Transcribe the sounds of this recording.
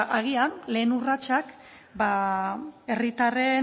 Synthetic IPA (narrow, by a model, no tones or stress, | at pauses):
ʔaɣ̞ianle̞ːnurat͡ʃak | ba | e̞rit̪are̞